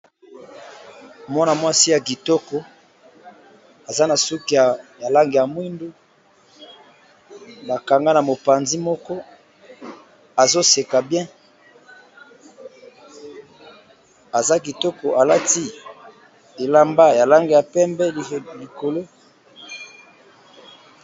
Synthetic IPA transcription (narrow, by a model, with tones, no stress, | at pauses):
mɔ˦na˨mwa˦si˦ja˨ɡi˨tɔ˦kɔ˨ | a˨za˦na˨su˦ki˨a˨ja˨la˦ŋɡe˨ja˨mwi˦ndu˦ | ba˨ka˨ŋɡa˦na˨mo˨pa˨nzi˦mɔ˦kɔ˦ | a˨zo˦se˨ka˨bjɛ̃˦ | a˨za˦ɡi˨tɔ˦ko˨a˨la˦ti˦ | e˨la˦mba˦ja˨la˦ŋɡe˨ja˨pɛ˦mbɛ˦˨li˨ko˨lo˦